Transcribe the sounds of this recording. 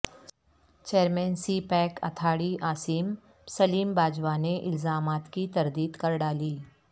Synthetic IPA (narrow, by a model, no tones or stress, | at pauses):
t͡ʃeːɾmɛːnsipɛːkɐ̰t̪ʰaːɽiʔaːsiːm | sɐliːmbaːd͡ʒwaneʔɪlzaːmaːt̪kit̪ɐɾd̪iːd̪kɐɾɖaːliː